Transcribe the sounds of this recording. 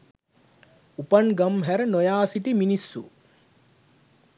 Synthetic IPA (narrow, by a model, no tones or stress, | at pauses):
upɐnɡɐmɦɛɾnojaːsiʈiminisːu